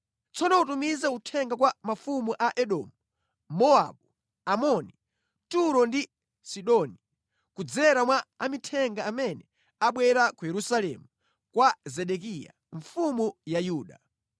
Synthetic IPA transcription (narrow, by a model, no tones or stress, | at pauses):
t͡sʰɔnɔutumizɛutʰɛŋɡakwamafumuʔaʔɛɗɔ̰ːmu | mɔa̰ɓu | amɔni | tuɾɔndi | siɗɔni | kud͡zɛɾamwaamitʰɛŋɡaːmɛnɛ | aɓwɛɾakujɛɾusalɛ̰mu | kwazɛɗɛkija̰ | ɱfumujajuːɗa